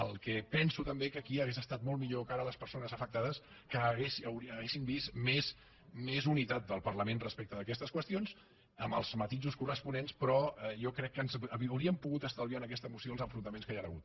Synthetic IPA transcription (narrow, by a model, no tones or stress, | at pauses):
əlˠkɛpɛnsut̪əmbekəkiəɣezəst̪at̪̚mɔlˠmiʎokaɾələspəɾsonəzəfək̚t̪aðəs | kəɣeswɾəɣesimbismes | mezunit̪at̪̚d̪əlˠpərləmenrəspɛk̚t̪əðəkɛst̪əskwəst̪ions | əmə̰lˠzmət̪iʒuskurəspunenspɾɔɛjɔkɾɛkːənzəwɾiəmpuɣut̪əst̪alˠβjanəkɛst̪əmusioəlˠzəɱfɾunt̪əmẽnskəjaɾəɣut̪̚